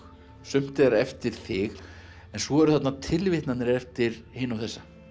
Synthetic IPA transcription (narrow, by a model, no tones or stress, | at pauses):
sʏm̥t̪ɪaɾɛft̪ɪɾ̥θɪx | ɛnsvɔɛɾʏθat̪nat̪ʰɪlvɪht̪nat̪nɪɾɛft̪ɪɾheːnawθɛsːa